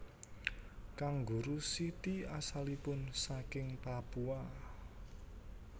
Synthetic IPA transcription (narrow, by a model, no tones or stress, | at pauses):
kaŋɡṳɾusit̪iasalipʊnsakɪŋpapua